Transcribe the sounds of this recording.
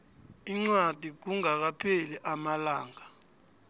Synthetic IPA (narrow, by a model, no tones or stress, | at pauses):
iŋ͡ǀwad̥ʱik̬uŋak̬apʰeliʔamalaːŋa